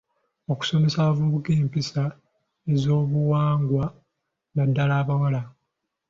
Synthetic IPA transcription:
o̞ku̥so̞me̞savuβukeːmpisa | e̞zo̞ːβuwaːŋɡwa | nadːalaːβawala

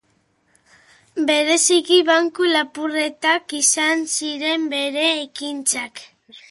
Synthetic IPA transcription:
be̞ɾe̞sikiβaŋkulapure̞t̪akisansiɾe̞mbe̞ɾe̞ːkint͡sak

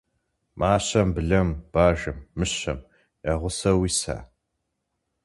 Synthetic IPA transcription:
mʔaːɕɐmbɨɮɐmb̥aːʒɨmːɨɕɐ̰m | jaʁʷʊsɐwiːsa̰ː

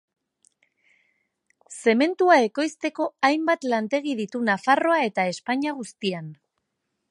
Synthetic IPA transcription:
se̞me̞nt̪uae̞ko̞jst̪e̞ko̞ajmbat̪lant̪e̞ɣ̞iðit̪unafaro̞ae̞t̪ae̞spaɲaɣ̞ust̪ian

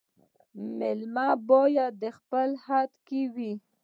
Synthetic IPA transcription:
mɪlmɑbojad̪əxpəlhat̪kiwi

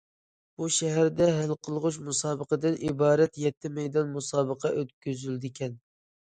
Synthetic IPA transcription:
b̥uʃɛɦæɾd̪ɛɦælqʰəlˠʁʊʃmusɑːbəqəd̪ɨnʔibɑːɾɛt̪jɛt̪ʰːɪmɛjd̪ɑnmusɑːbəqʰɑʔøt̪kʲyzyld̪ɪkʲʰɛn

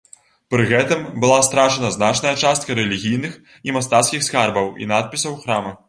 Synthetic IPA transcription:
pɾɨɣɛt̪ɨmbɨlˠast̪ɾaʂɛnɐznat͡ʂnɐjɐt͡ʂast̪̚kɐɾɛlʲiɣʲijnɨx | imast̪at̪skʲixskarbɐwḭnat̪̚pʲisɐwxɾamɐ

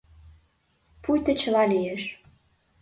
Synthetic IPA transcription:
pujt̪ə̆t͡ɕə̆lɑlijeʃ

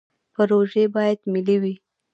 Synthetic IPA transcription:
pəɾoʒebɑjad̪miliwi

